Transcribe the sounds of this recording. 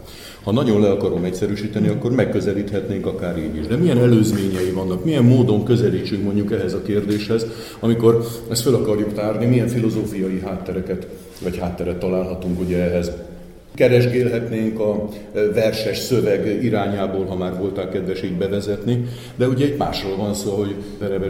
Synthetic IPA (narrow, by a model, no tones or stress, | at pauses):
hɒnɒɟo̞nlɛɒkɒɾo̞mɛcsɛɾyːʃiːt̪ɛniɒkːo̞rmɛkːøzɛliːt̪hɛt̪neːŋkɒkaːɾeːniʒd̪ɛmijɛnɛløːzmeːɲɛjivɒnːɒkmijɛmːoːd̪o̞ŋkø̞zɛliːt͡ʃyŋkmo̞ɲɟukɛɦɛzɒkeːrd̪eːʃhɛz | ɒmiko̞ɾɛst̪følɒkɒrjukt̪aːrnimijɛɱfilo̞zoːfijɒjiɦaːt̪ːɛɾɛkɛt̪ | vɒchaːt̪ːɛɾɛt̪ːɒlaːlɦɒt̪uŋkuɟɛɛɦɛz | kɛɾɛʒɡeːlɦɛt̪neːŋkɒ | vɛrʃɛʃsøvɛɡiɾaːɲaːboːlɦɒmaːrvo̞lt̪aːkːɛd̪ʋɛʃiːd̪bɛvɛzɛt̪ni | d̪ɛuɟɛɛɟma̰ːʃroːlvɒnsoːɦo̞ɟ | ɛɾɛbɛ